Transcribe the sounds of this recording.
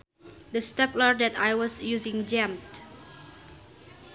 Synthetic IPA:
dəstɛpləɹdɛt̪ajwɔsjuzɪ̃ŋd͡ʒɛ̃mt̪

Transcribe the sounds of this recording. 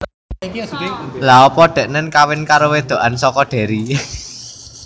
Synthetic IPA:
laɔpɔɖ̪̥ɛ̤ʔnənkawɪnkaɾowed̪̥o̤ʔansɔkɔɖ̥e̤ɾi

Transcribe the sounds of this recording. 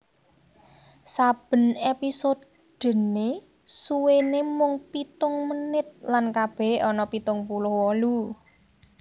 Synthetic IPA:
sab̥ə̤nepisod̪ | dɖ̪̥ə̤ne | suwenemʊŋpit̪ʊŋmənɪt̪̚lankab̥ɛ̤hɔnɔpit̪ʊŋpulʊhwɔlu

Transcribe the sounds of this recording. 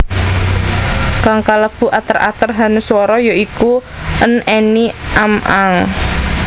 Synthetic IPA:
kaŋkaləb̥ṳʔat̪əra̰t̪ərɦanuswɔɾɔjoikuʔəneniʔamaŋ

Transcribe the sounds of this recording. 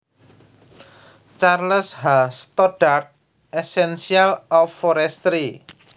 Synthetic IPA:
t͡ʃarləshast̪ɔɖ̥art̪̚ | ɛsɛnsialɔfːɔɾɛst̪ɾi

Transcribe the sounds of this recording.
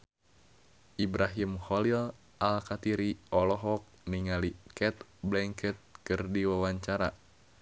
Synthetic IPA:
ʔibɾʔaɦimhɔlil | ʔalkat̪iɾiɔlɔɦɔk̚niŋalikɛt̪blɛŋkɛt̪̚kɨrdiwawaɲt͡ʃaɾa̰

